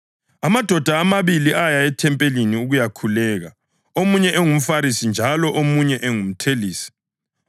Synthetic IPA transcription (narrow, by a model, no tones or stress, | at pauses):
amad̥ʱɔd̥ʱaːmaβiliʔajaɛtʰɛmpʼeliniuɣujakʰulɛːɣa̰ | omuɲɛʔeŋum̩faɾisind͡ʒʱalɔʔomuɲɛʔeŋum̩tʰeliːsi̥